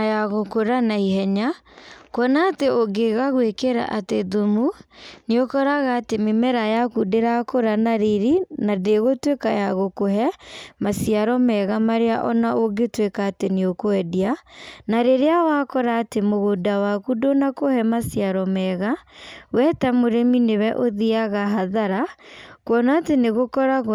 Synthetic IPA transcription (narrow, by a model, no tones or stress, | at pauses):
ajaɣokoɾanaiɦɛɲakwɔnaːteoɡeɣaɣwekeɾa̰ʔateðomuneokɔɾaɣaːtememɛɾajakudeɾakoɾanaɾeɾinadeɣotwekajaɣokoɦɛmasiaɾɔmɛɣamaɾeaʔɔnaʔoɡetwekaːteneokoɛdianaɾeɾeawakɔɾaːtemoɣodawakudonakohɛmasiaɾɔmɛɣawɛtamoɾeminewɛʔoðiaɣaɦaðaɾakwɔnaːteneɣokɔɾaɣ